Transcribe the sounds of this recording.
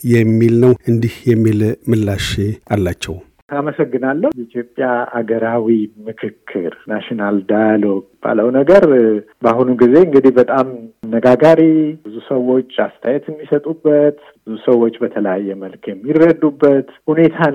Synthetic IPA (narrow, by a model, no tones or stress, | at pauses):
jɛmːilnəwɨnd̪ihjɛmːilmɨlːaʃealːat͡ʃːɛw | aməsəɡːɨnalːəjɛit̪ʰjopʼːjaa̰ɡəɾawimɨkʰɨkʰːɨ̰ɾnaʃinald̪ajalo̞ɡ̚b̥a̰ləwnəɡəɾ | baɦunuɡize̞ɨŋɡɨd̪ihbət̪ʼamnːəɡaɡaɾibɨzusəwo̞t͡ʃːa̰st̪ʰajɛt̪ɨmːisət̪ʼubːət̪ | bɨzusəwːo̞t͡ʃːbət̪ʰələjajːɛməlkjɛmːirːəd̪ubːət̪hune̞t̪ʰa